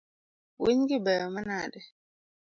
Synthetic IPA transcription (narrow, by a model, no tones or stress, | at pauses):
wiɲɡibɛɔmanadɛ